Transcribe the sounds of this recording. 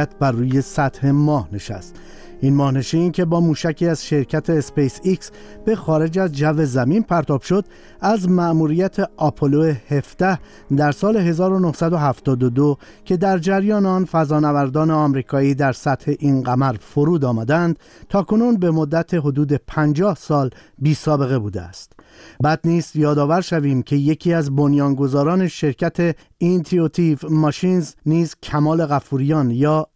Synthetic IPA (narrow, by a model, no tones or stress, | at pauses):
t̪̚ʰbæruːje̞sæt̪he̞mɒːhne̞ʃæ̰st̪ | inmɒːhne̞ʃincʰe̞bɒːmuːʃæcʰiːæzʃe̞ɾcʰæt̪ʰe̞ːspejsiks | b̥e̞xɒːɾe̞d͡ʒæzd͡ʒæve̞zæmiːnpʰæɾt̪ʰɒːb̥ʃo̞d̪̥ | æzmæʔmuɾijæt̪ʰe̞ʔɒpʰoloehe̞fd̪̥æh | d̪æɾsɒːle̞ɦe̞zɒːɾo̞no̞hsæd̪o̞ɦæft̪ɒːd̪od̪o | cʰe̞d̪æɾd͡ʒæɾjɒːneɒnfæzɒːnævæɾd̪ɒːne̞ɒmɾiːkʰɒːiːd̪æɾsæt̪he̞ʔinɡæmæɾfoɾuːd̪ɒːmæd̪eænd̪̥ | t̪ʰɒːkʰo̞nuːnbe̞mo̞d̪ːæt̪ʰe̞ɦod̪uːd̪e̞pʰænd͡ʒɒːhsɒːlbiːsɒːbe̞ɣe̞buːd̪eæ̰st̪bæːd̪niːsjɒːd̪ɒːvæɾʃæviːmcʰe̞je̞cʰiːæzbonjɒːnɡo̞zɒːɾɒːne̞ʃe̞ɾcʰæt̪ʰe̞ | int̪ʰiot̪ʰivmɒʃinzniːzcʰæmɒːle̞ɣæfuːɾijɒnjɒː